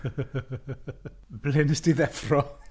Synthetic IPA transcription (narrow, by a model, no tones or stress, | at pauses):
b̥lɪnsdiðɛfrɔ